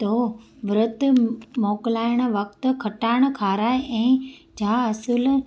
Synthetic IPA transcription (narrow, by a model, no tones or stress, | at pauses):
t̪oːʋɾʊt̪mɔːklaːɪɽ̃̆ʋɐkt̪̆kʰɐʈaːɪɽ̃̆kʰaːɾaːeʔɛ̃ːd͡ʑʱaːɐsʊl